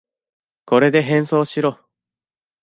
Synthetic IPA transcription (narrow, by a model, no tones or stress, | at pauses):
ko̞ɾe̞d̪e̞ɦẽ̞ɰ̃so̞ːɕiɾo̞ː